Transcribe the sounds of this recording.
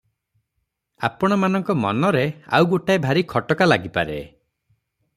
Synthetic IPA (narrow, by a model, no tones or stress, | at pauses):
a̰pɔɽ̃ɔmanɔŋkɔmɔ̰nɔɾea̰wɡoʈajbʱaɾikʰɔʈɔkalaɡipaɾḛ